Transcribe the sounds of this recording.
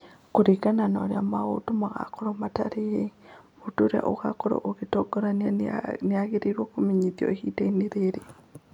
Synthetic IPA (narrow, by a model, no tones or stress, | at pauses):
koɾiɣananɔɾeamaɣo̰tomaɣa̰kɔɾɔmata̰ɾejemotoɾea̰ʔo̰ɣakɔɾɔ̰ʔoɣetɔɡɔɾanianeaɣeɾeɾwɔkomiɲitjɔ̰ehiːtaineɾeɾe